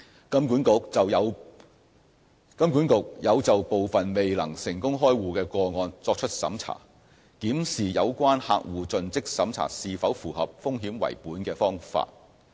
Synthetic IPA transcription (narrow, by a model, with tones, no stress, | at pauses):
kɐ˥mkuː˨˥nkʊ˨k̚t͡sɐ˨wjɐ˨˧w | kɐ˥mkuː˨˥nkʊ˨k̚jɐ˨˧wt͡sɐ˨wpo˨wfɐ˨nme˨jlɐ̰˨˩ŋsɪ˨˩ŋkʊ˥ŋɦɔː˥jwuː˨˩kɛː˧kɔː˧ŋɔː˧nt͡sɔː˧k̚t͡ʃʰɵ˥t̚sɐ̰˨˥mt͡sʰa̰ː˨˩ | kiː˨˥msiː˨jɐ˨˧wkʷaː˥nha̰ː˧k̚wuː˨t͡sɵ˨nt͡sɪ˥k̚sɐ˨˥mt͡sʰa̰ː˨˩siː˨fɐ˨˥wfuː˨˩ɦɐ˨p̚fʊ˥ŋɦiː˨˥mwɐ̰˨˩jpuː˨˥nkɛː˧fɔː˥ŋfa̰ː˧t̚